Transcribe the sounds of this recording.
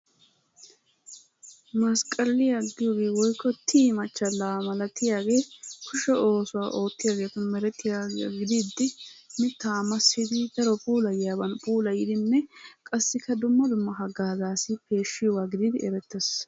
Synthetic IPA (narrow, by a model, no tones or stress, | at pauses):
mɐskʼɐlːɪjaɡːɪjoɡeːwɔjkːɔt̪ʰːiːmɐt͡ʃːɐlaːmɐlɐt̪ːɪjaːɡe̞ːkʰʊʃɛo̞ːsʊwaːʔo̞ːt̪ːɪjaːɡe̞ːt̪ʊnmɛɾɛt̪ːɪjaɡɪd̪ɪd̪ːɪmɪt̪ːaːmɐsɪd̪id̪ɐɾɔpʼuːlɐjjaːbɐnpʼuːlɐjɪd̪ɪnːɛkʼɐsːɪkːɐd̪ʊmːɐd̪ʊmːɐɦɐɡaːzaːsɪpʰe̞ːʃːɪjɔwaːɡɪd̪ɪd̪ɪɛɾɛt̪ːɛs